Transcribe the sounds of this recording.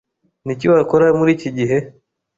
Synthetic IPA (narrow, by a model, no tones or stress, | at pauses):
niciwakoɾamuɾiːciɟiɦe